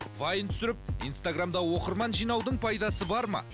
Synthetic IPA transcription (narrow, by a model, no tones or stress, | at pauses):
vajənt̪ʰʏ̥sɪɾɪp̚ijnst̪aɡramd̪ɑwo̞qəɾmɑnʒijnɑwd̪əɴpʰɑjd̪ɑsəbɑɾmɑ̰